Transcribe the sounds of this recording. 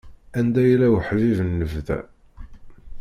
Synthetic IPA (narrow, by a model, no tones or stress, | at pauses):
ænd̪æjlæwəħvivənːəvðæ̰